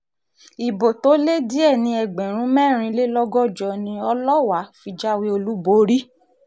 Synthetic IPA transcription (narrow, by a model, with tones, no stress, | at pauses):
i˨bo˨to˨˦le˦di˦ɛ˦˨nĩ˧ɛ˨ɡ͡bɛ̃˨ɾ̃ũ˨˦mɛ̃ː˦˨ɾ̃ĩ˧le˦lɔ˦ɡɔ˦˨d͡ʒɔ˧˨nĩ˧ɔ˧lɔ˦wa˨˦fi˧d͡ʒa˦we˦o˧lu˦bo˧˦ɾi˦